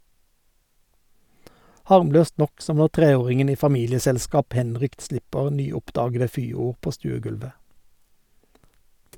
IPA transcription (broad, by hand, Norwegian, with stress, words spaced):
ˈhɑʁmˌløːst ˈnɔk ˈsɔm ˈnɔʁ ˈtʁeːˌoːʁɪŋən ˈiː fɑˈmiːlɪəsɛlˌskɑːp ˈhɛnˌʁʏkt ˈslɪpəʁ ˈnyːˌʊpˌdɑːɡədə ˈfyːˌuːʁ ˈpoː ˈstʉːəˌɡʉlʋə